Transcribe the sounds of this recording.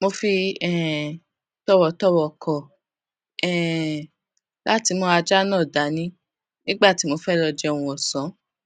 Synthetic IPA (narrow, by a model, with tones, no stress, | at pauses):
mo˧fi˧ɛ˨ | tɔ˦wɔ˨tɔ˦wɔ˨kɔ˨ | ɛ˨ | la˦ti˨˧˦mo˧a˧d͡ʒa˦nãː˦˨da˨˦nĩ˦ | nĩ˦ɡ͡ba˦˨ti˨˦mo˧fɛ˦lɔ˧d͡ʒɛ˧ɔ˧w̃ũ˧ɔ˨sɔ̃˨˦